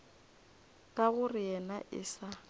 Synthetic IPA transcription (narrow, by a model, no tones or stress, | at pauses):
kʼaɣʊrɪjɛnaʔɪ̰sa